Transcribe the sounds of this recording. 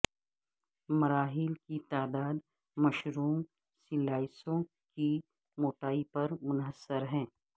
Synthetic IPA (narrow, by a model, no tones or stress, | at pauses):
mɐɾaːɦɪlkit̪aːd̪aːd̪ | mɐʃɾuːm | sɪlaːɪsõ | ki | moːʈaːipɐɾmʊnɦəsːəɾɦɛ̃ː